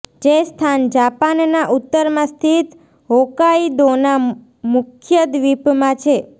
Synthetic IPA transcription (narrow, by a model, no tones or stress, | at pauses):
d͡ʒest̪ʰand͡ʒapannaʔut̪ːəɾmãst̪ʰit̪ | ɦokaid̪ona | mʊkʰjəd̪ʋipmãt͡ʃʰe